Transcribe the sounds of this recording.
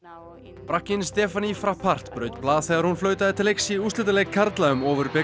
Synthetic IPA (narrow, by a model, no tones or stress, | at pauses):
pɾahcɪnst̪ɛːfanifɾahpʰar̥t̪pɾœːɥt̪plaːðθɛːɣaɾhunflœːɥt̪aðɪt̪ʰɪleksiust̪ɪt̪̬alɛɣkʰːaɾt̪laʏmɔːvʏɾpɛ